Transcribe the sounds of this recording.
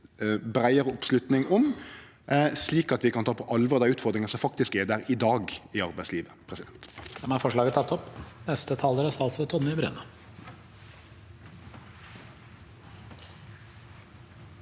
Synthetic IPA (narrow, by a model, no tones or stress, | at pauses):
bɾæɪəɾəɔpslʉt̪nɪŋɔm | sliːkɑt̪ʋɪkʰɑnt̪ʰɑːpʰɔʔɑlʋɔʁɾd̪æʉːt̪fɔʁd̪ɾɪŋɑsɔmfɑk̚t̪ɪskɛd̪æɾɪd̪ɑːɡɪɑɾbæɪsliːʋəpʰɾɛsɪd̪ɛnt̪dd̪ɛmæɾfɔʂɭɑːɡət̪ʰɑt̪ːɔpnɛst̪ət̪ʰɑːləɾəsɑlsɔt̪ʰɔnmɪbɾʉ̰ːnə